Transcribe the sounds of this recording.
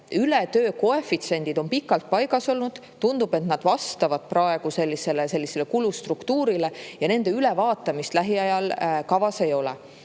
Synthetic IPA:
ylet̪øːko̞e̞fit̪se̞nʲd̪̥id̪o̞npikːˑɑlt̪̚pɑjɡ̥ɑso̞lnud̪̥ | t̪und̪̥ub̥e̞t̪nɑd̪̥vɑst̪ɑvɑd̪̥̚prɑe̞ɡ̥use̞lʲːise̞lese̞lʲːise̞lekulust̪rukt̪uːɾile̞jɑne̞nd̪̥e̞yle̞vɑːt̪ːˑɑmist̪læɦiɑjɑlkɑvɑse̞jo̞lɛ̰

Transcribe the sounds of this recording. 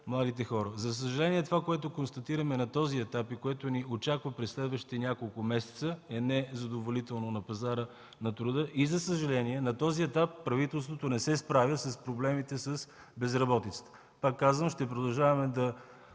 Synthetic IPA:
mlˠad̪it̪̬ɛxɔɾəzɐs̬əʒɐlɛniɛt̪ovakoɛt̪okonst̪ɐt̪iɾəmɛnɐt̪ɔziɛt̪apikoɛt̪oniot͡ʃakvəpɾɛsːlɛd̪vəʃt̪i̥t̪ɛnʲakolˠkʊmɛsɛ̥t̪səɛnɛzɐd̪ovolit̪ɛlˠnonɐpɐzaɾə | nɐt̪ɾʊd̪ɤʔizɐsəʒɐlɛniɛnɐt̪ɔziɛt̪apːɾɐvit̪ɛlˠst̪vot̪onɛsɛspɾavʲəsɐspɾoblɛmit̪ɛsəs | bɛzɾɐbɔt̪it̪sə̥t̪ə̥ | pakːazvənʃt̪ɛp̬ɾod̪ɐlˠʒavɐmɛd̪ɐ

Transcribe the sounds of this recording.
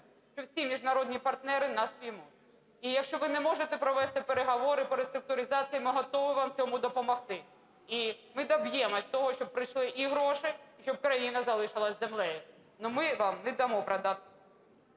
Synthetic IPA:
ʃt͡ʃɔwsʲimʲiʒnɐɾɔd̪ʲnʲipɐrt̪nɛɾɪnɑspʲimu | ijɐkʃt͡ʃɔʋɪnɛmɔʒet̪ɛpɾɔʋɛst̪ɪpeɾeɦɔʋɔɾɪpɔɾest̪ɾʊk̚t̪ʊɾʲɪzɑt͡sʲijimɪɦɔt̪ɔʋɪʋɑmt͡sʲɔmʊd̪ɔpɔmɔxt̪ɪ | imɪd̪ɐbjɛmɔsʲt̪ɔɦɔʃt͡ʃɔb̚pɾɪjʃlˠɪʔiɦɾɔʃɪjʃt͡ʃɔb̚kɾɐjinɐzɐlˠɪʃɐlˠɐsʲzemlˠɛjɪ | nɔmɪʋɑmnɛd̪ɐmɔpɾɐd̪ɑt̪

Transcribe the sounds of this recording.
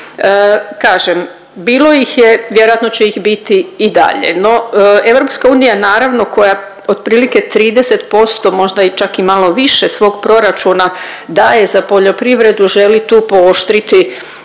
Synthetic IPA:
əkaːʒem | biːlˠo̞jixjeʋje̞ɾoat̪no̞t͡ɕeixbit̪iːd̪a̰ʎḛno̞e̞ʋɾo̞pskauːnijanaːɾaʋno̞ko̞ja | od̪̚pɾiːlike̞t̪ɾiːd̪e̞se̞t̪po̞st̪o̞mo̞ʒd̪ait͡ʃakimalˠo̞ʋiʃesʋo̞ːɡpɾo̞ɾat͡ʃunad̪aje̞zapo̞ʎo̞pɾiʋɾe̞d̪uʒe̞lit̪uːpo̞oʃt̪ɾit̪i

